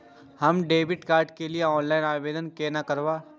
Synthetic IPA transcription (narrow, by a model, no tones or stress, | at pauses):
hɐmɖeːʋɪʈkaːɾɖkelieɔːnlaːɪnaːʋeːd̪ənkenakɐɾʋaː